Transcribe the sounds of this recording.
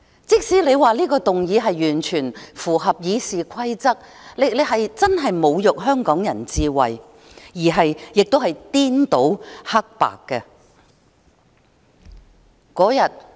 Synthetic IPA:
t͡sɪ˥k̚siː˨˥le˨˧jwaː˨liː˥kɔː˧t̪ʊ˨ŋjiː˨˧ɦɐ˨jːyː˨˩nt͡ʃʰyː˨˩nfuː˨˩ɦɐ˨p̚jiː˨˧siː˨kʷʰɐ˥jt͡sɐ˥k̚ | lɪ˨k̚le˨˧ɦɐ˨jt͡sɐ˥nɦɐ˨jmo˨˧wjʊ˨k̚ɦœː˥ŋkɔː˨˥ŋjɐ̰˨˩nt͡siː˧wɐ˨j | jiː˨˩ɦɐ˨jjɪ˨k̚t̪o˥whɐ˨jt̪iː˥nt̪o˨˥whɐ˥k̚pa̰ː˨kːɛ˧ | kɔː˨˥jɐ˨t̚

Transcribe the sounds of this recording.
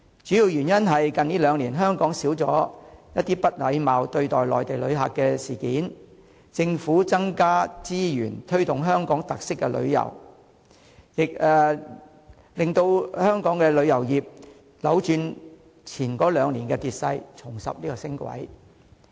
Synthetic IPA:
t͡ʃy˨˥ji˨˧wjyː˨˩njɐ˥nɦɐ˨jkɐ˨niː˥lœː˨˧ŋliː˨˩nɦœː˥ŋkɔː˨˥ŋsiː˨˥wt͡sɔ̰ː˨˥jɐ˥t̚t̪iː˥pɐ˥t̚lɐ˨˧jmaː˨wt̪ɵ˧ɥt̪ɔː˨˩jlɔː˨˩jt̪e˨jlɵ̰˨˧ɥɦa̰ː˨kːɛ˧siː˨˩kiː˨˥n | t͡sɪ˧ŋfuː˨˥t͡sɐ˥ŋkaː˥t͡siː˥jyː˨˩nt̪ʰɵ˥ɥt̪ʊ˨ŋɦœː˥ŋkɔː˨˥ŋt̪ɐ˨k̚sɪ˥kːɛ˧lɵ̰˨˧ɥjɐ̰˨˩w | jɪ˨k̚ɛ˨ | lɪ˨˩ŋt̪o˧whœː˥ŋkɔː˨˥ŋkɛ˧lɵ˨˧ɥjɐ˨˩wjiː˨˩p̚ | lɐ˨˧˥wt͡ʃyː˧n | t͡sʰiː˨˩nkɔː˨˥lœː˨˧ŋliː˨˩nkɛ˧t̪iː˨t̚sɐ˧jt͡sʰʊ˨˩ŋsɐ̰˨p̚niː˥kɔ˧sɪ˥ŋkʷɐ̰˨˥j

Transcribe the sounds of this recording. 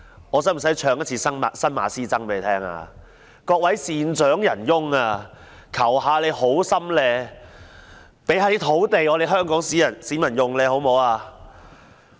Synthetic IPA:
ɔː˨˧sɐ˨˥m̩˨˩sɐ˨˥jt͡ʃʰœː˨˧ŋjɐ˥t̚t͡sʰiː˧sɐ˥na˨sɐ˥nma̰ː˨siː˥t͡sɐ˥ŋpe˨˥le˨˩t̪ʰɛː˥ŋa̰ː˧ | kɔː˧k̚wɐ˨˥jsiː˨nt͡ʃœː˨˥ŋjɐ˨˩njʊ˥ŋaː˧ | kʰɐ˨˩wɦaː˨˧le˨˧jho˨˥wsɐ˥mlɛː˧ | pe˨˥jhaː˨˧li˥t̪ʰo˨˥wt̪e˨jɔ˨˧t̪e˨˧ɦœː˥ŋkɔː˨˥ŋsiː˨˥jɐ˨˩nsiː˨˥mɐ˨˩njʊ˨ŋlɛː˧ho˨˥wmo˨˧waː˧

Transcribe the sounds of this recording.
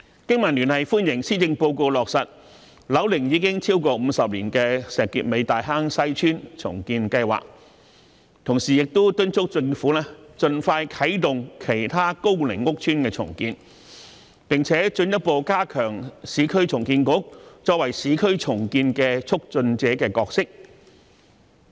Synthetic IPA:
kɪ˥ŋmɐ˨˩nlyː˨˩nhɐ˨jfuː˥njɪ˨˩ŋsiː˥t͡sɪ˧ŋpo˧wko˧wlɔː˨k̚sɐ˨t̚ | lɐ˨˥wlɪ˨˩ŋjiː˨˧kɪ˥ŋt͡sʰiː˥wkɔː˧m̩˨˧sɐ˨p̚liː˨˩nkɛː˧sɛː˨kːḭː˨t̚me˨˧jt̪aː˨jɦaː˥ŋsɐ˥jt͡ʃʰyː˥nt͡sʰʊ̰˨˩ŋkiː˧nkɐ˧jwa̰ː˨k̚ | t̪ʰʊ˨˩ŋsiː˨jɪ˨k̚t̪ʊ˥t̪ɵ˥nt͡sʰʊ˥k̚t͡sɪ˧ŋfuː˨˥lɛː˥t͡sɵ˧nfaː˧jkʰɐ˨˥jt̪ʊ˨ŋkʰe˨˩jt̪ʰaː˥ko˥wlɪ˨˩ŋːʊ˥k̚t͡ʃʰyː˥nkɛː˧t͡sʰʊ̰˨˩ŋkiː˧n | pɪ˨ŋt͡sʰɛː˨˥t͡sɵ˧njɐ˥t̚po˧wkaː˥kʰœː˨˩ŋsiː˨˥kʰɵ˥ɥt͡sʰʊ˨˩ŋkiː˧nkʊ˨˥k̚t͡sɔː˧˥k̚wɐ˨˩jsiː˨˥kʰɵ˥ɥt͡sʰʊ˨˩ŋkiː˧nkɛː˧t͡sʰʊ˥k̚t͡sɵ˧nt͡sɛː˨˥kɛː˧kɔː˧k̚sɪ˥k̚

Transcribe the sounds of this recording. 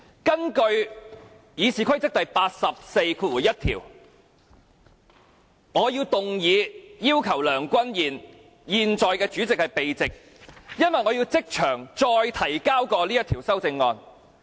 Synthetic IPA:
kɐ˥nkɵ˧ɥ | jiː˨˧siː˨˩kʰɐ˥jt͡sɪ˥k̚t̪ɐ˨jpaː˧t̚sɐ˨p̚se˧jkʰuː˧t̚wuː˨˩jɐ˥t̚t̪ʰḭː˨˩w | ŋɔː˨˧ji˧wt̪ʊ˨ŋjiː˨˧jiː˥wkʰɐ˨˩wlœː˨˩ŋkʷɐ˥njiː˨˩n | jiː˨nt͡sɔː˨jkɛː˧t͡ʃyː˨˥t͡sɪ˨k̚hɐ˨jpe˨jt͡sɪ˨k̚ | jɐ˥nwɐ˨jŋɔː˨˧ji˧wt͡sɪ˥k̚t͡ʃʰœː˨˩ŋt͡ʃɔː˧jt̪ʰɐ˨˩jkaː˥wkɔː˧liː˥jɐ˥t̪ʰiː˨˩wsɐ˥wt͡sɪ˧ŋːɔː˧n

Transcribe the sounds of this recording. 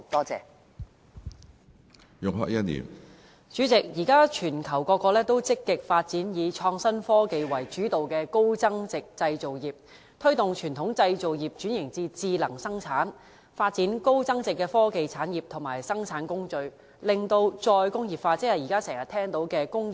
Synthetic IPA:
t̪ɔː˥t͡sɛ̰ː˨˧ | jʊ˨ŋɦœ̰˧kːɐ˥t̚nḭː˨˩m | t͡ʃyː˨˥t͡sɪ˨k̚jiː˨˩kaː˥t͡ʃʰyː˨˩nkʰɐ˨˩wkɔː˧kːɔː˧lɛː˥t̪o˥wt͡sɪ˥kːɪ˨k̚faː˧t̚t͡siː˨˥njiː˨˧t͡ʃʰɔː˧ŋsɐ˥nfɔː˥ke˨˧jwɐ˨˩jt͡ʃyː˨˥t̪o˨wkɛː˧ko˥wt͡sɐ˥ŋt͡sɪ˨k̚t͡sɐ˧jt͡so˨wjiː˨p̚ | t̪ʰɵ˥ɥt̪ʊ˨ŋt͡ʃʰyː˨˩nt̪ʰʊ˨˥ŋt͡sɐ˧jt͡so˨wjiː˨p̚t͡ʃyː˨˥njɪ˨˩ŋt͡siː˧t͡siː˧lɐ˨˩ŋsɐ˥ŋt͡sʰaː˨˥n | faː˧t̚t͡siː˨˥nko˥wt͡sɐ˥ŋt͡sɪ˨kːɛː˧fɔː˥ke˨jt͡sʰaː˨˥njiː˨p̚t̪ʰʊ˨˩ŋmaː˨˩jsɐ˥ŋt͡sʰaː˨˥nkʊ˥ŋt͡ʃɵ˧ɥ | lɪ˨ŋt̪o˧wt͡sɔː˧jkʊ˥ŋjiː˨p̚faː˧t͡sɪ˥hɐ˨˩jiː˨˩kaː˥sɛː˨˩ŋjɐ˨˩t̪ʰɛː˥ŋt̪o˨˥wkɛː˧kʊ˥ŋi˨

